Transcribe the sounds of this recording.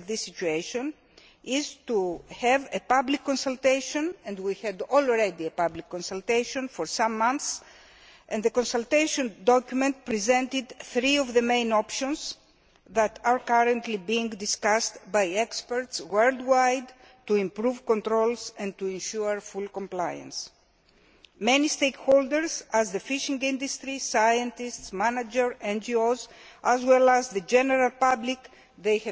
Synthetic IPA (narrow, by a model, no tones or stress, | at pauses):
vðisːit͡ʃueʃõn | izt̪uhɛvepablikːõnsalt̪ejʃõnẽnd̪wihɛd̪olɾed̪iepablikːõnsalt̪ejʃõnfoɾsãmːãnθs | ẽnd̪ðekõnsalt̪eʃõnd̪ɔkjumẽnt̪̚pɾizɛ̃nt̪id̪θɾiovðəmẽj̃nopʃõnz | ðɐt̪aɾkaɾə̃nt̪libĩːŋɡd̪iskast̪bajɛkspeɹt̪swɜld̪wajd̪ | t̪uĩmpɾuvkõnt̪ɾolsɛ̃nt̪uẽnʃuəɹfulkõmplajɐ̰̃ns | mẽnist̪ejkhold̪eɹzɐzðəfiʃĩŋɡĩnd̪ust̪ɾisajə̃nt̪istsmanad͡ʒeɹẽnd͡ʒiozazwɛlɐzðəd͡ʒeneɾalpablik | ðejh